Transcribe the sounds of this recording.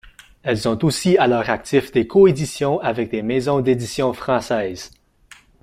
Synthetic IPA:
ɛlzɔ̃t̪osialœːʁak̚t̪ifd̪ekʰɔed̪isjɔ̃avɛk̚d̪emɛzɔ̃d̪ed̪isjɔ̃fχɑ̃sɛːz

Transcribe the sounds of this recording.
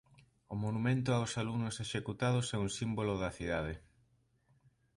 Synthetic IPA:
ʊmonumẽnt̪ʊawsalunʊseʃekut̪að̞ʊsɛuŋsimbolʊðɐθiðað̞e

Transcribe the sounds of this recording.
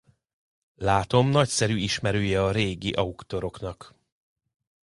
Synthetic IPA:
laːt̪o̞mnɒcsɛɾyiʃmɛɾøːjɛɒɾeːɡiʔɒukt̪o̞ɾo̞knɒk

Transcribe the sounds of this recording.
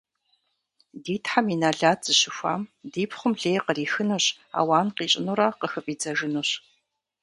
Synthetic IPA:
diːtʰħaminaːɮaːtʰz̥ɨɕɪxʷa̰ːmdiːpʰχʷʊmɮeːjqəriːxɨnuɕ | a̰ːwaːnqiːɕʼɪnuɾaqəxɨpʼiːd͡zɐʒɨnuɕ

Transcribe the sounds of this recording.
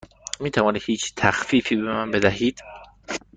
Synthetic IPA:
miːt̪ʰævɒːni̥hiːt͡ʃʰt̪ʰæxfiːfiːbemænbe̞d̪æɦiːd̪̥

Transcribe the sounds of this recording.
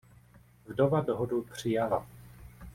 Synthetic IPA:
vdovadoɦodupr̝̥ɪjala

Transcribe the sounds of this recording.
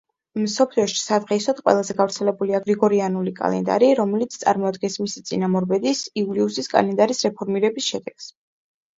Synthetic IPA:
msɔpʰliɔʃi̥sad̪ʁɛisɔt̪qʼwɛ̰lˠazɛɡavɾt̪sʰɛlɛbuliaɡɾiɡɔɾianulikʼa̰lɛ̰nd̪a̰ɾiɾɔmɛlit̪sʰt̪sʼa̰ɾmɔad̪ɡɛnsmisit̪sʼḭnamɔɾbɛd̪isiuliusiskʼa̰lɛnd̪aɾisɾɛpʰɔɾmiɾɛbisʃɛd̪ɛɡ̥s

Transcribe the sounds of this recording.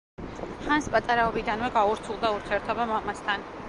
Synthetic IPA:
χanspʼat̪ʼaɾaɔbid̪anvɛɡauɾt̪sʰulˠd̪auɾt̪ʰiɛɾt̪ʰɔbamamast̪ʰan

